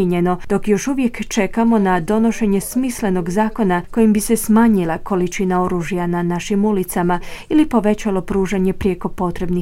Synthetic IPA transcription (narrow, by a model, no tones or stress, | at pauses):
eɲe̞no̞d̪̥o̞kjo̞ʃuʋje̞kt͡ʃe̞kamo̞nad̪o̞no̞ʃe̞ɲe̞smisle̞no̞ɡzaːko̞nako̞jimbise̞smaːɲilˠako̞lit͡ʃinao̞ɾuːʒjananaʃimulit̪samailipo̞ʋe̞t͡ɕalo̞pɾuːʒaɲe̞pɾjeko̞po̞t̪ɾe̞bni